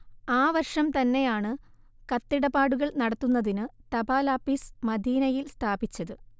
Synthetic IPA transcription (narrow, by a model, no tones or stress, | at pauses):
aːʋɐrʂɐmt̪ɐnːe̞jaːɳɨ | kɐt̪ːiɽɐbaːɽuɣɐɭnɐɽɐt̪ːunːɐðinɨt̪ɐbaːlaːpːismɐd̪iːnɐjilst̪ʰaːbit͡ɕːɐðɨ